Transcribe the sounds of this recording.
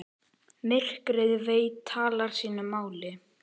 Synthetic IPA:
mɪr̥kɾɪðveːjt̪ʰaːlaɾ̥siːnʏmaːwlɪ

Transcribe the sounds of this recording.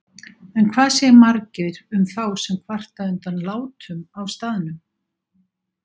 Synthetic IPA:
ɛnkʰvaːðsjɛɾmaɾcɪɾʏmθawsɛmkʰv̥ar̥t̪aʏnt̪anlaːwt̪ʏmawst̪aːðɪnʏm

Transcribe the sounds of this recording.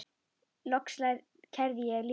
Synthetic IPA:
lɔkslajð | cʰɛɾðjɛl

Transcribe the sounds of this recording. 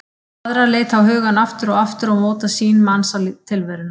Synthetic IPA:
aðɾaleːjt̪hawɦʏːɣanaft̪ʏɾɔɣaft̪ʏɾawmoːt̪asiːnmansalit̪ʰɪlvɛɾɪna

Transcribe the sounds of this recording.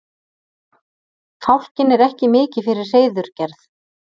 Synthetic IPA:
fawl̥cɪnɛɾɛhcɪmɪːcɪfɪɾɪɾ̥reːjðʏɾ̥cɛɾθ

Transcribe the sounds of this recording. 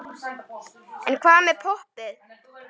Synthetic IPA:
ɛ̰nkʰvaːðmɛðpʰohpɪð

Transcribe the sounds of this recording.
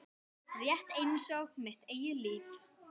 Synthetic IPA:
rjɛht̪eːjnɪsɔɣmɪht̪eːjʏliːθ

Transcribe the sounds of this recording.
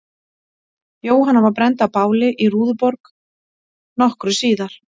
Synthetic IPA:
joːwɦanːavaɾpɾɛnt̪apaːwlɪʔiruːðʏpɔɾk | nɔhkɾʏsiːðaɾ̥

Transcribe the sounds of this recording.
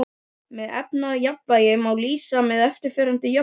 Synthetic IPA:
mɛðɛ̰pnajapvajɪmawliːsamɛðɛft̪ɪɾ̥fɛːɾant̪ɪjɔ

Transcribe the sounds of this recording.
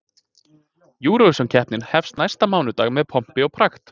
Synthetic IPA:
juːɾɔvɪsɔncʰɛhpnɪnhɛfst̪najst̪amaːwnʏt̪aːɣmɛðpʰɔm̥pɪɔɣpʰɾaxt̪

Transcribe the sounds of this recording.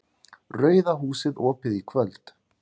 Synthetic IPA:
rœːɥðaɦuːsɪðɔːpɪðikʰvœlt̪

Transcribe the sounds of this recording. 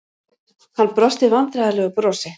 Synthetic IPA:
hanːpɾɔst̪ɪvant̪ɾaðalœːɣʏpɾɔːsɪ

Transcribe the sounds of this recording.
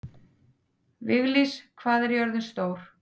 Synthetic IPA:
vɪɣliskʰvaːðɛɾjɔɾðʏnst̪oːwɾ̥

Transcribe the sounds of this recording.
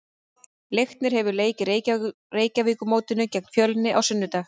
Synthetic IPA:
lejxt̪nɪɾ̥hɛvʏɾleːjcɪɾ | reːjcaviːkʏmoːwt̪ɪnʏcɛk̚nfjœːlnːɪʔawsʏnːʏt̪aːx

